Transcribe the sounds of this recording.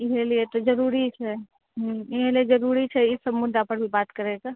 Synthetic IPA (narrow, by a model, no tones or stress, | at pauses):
ɪɦeliet̪od͡ʒəɾuːɾit͡ʃʰɛ | ɦiɦelied͡ʒəɾuɾit͡ʃʰɛɪsəbmʊd̪ʱapəɾbʱibaːt̪kəɾeɡaː